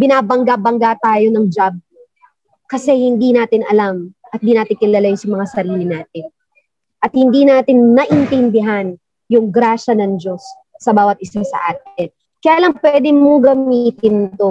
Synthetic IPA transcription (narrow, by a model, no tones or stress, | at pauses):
bɪnaːbɐŋɡabɐŋɡat̪aːjo̞nɐŋd͡ʒab̚ | kɐsɛhɪnd̪inaːt̪ɪnɐlamʔɐt̪̚d̪iːnaːt̪ɪnkɪlalajʊsɐmɐŋasɐɾiːlɪnaːt̪ɪn | ʔɐt̪̚hɪnd̪inaːt̪ɪnnɐʔɪnt̪ɪnd̪ɪɦan | jʊŋɡɾaːʃɐnɐŋd͡ʒo̞sː | ɐbaːwɐt̪̚ʔɪsasɐ̰ʔaːt̪ɪn | kɐjaːlɐŋpwɛd̪ɪmoŋɡɐmit̪ɪnt̪o